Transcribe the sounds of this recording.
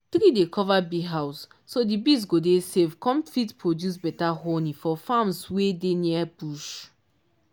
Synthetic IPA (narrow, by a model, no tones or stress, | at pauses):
tɾidekʰɔvabiɦaʊsː | odibis̬ɡodesevkɔ̃mfitpɹodjus̬bɛtaɦonĩfɔfãmswedeniabuʃ